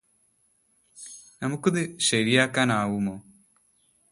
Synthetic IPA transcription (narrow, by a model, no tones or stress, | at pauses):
nɐmukːɐðɨɕɐɾijaːkːaːnaːwumo̞ː